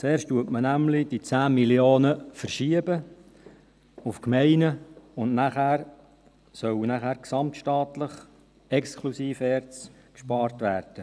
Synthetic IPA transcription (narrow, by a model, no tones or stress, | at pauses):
t͡seːɾʃtuətmənæmlɪd̥it͡sæːmiljoːnəfərʃiəbə | ʊfkmɛɪnəʊndnæχæːɾ | sœwənæχæːɾksɑmtʃtɑːt̪ləχ | ɛkskʰlusiːfɛɾt͡s | kʃpɑːɾtʋæːrd̥ə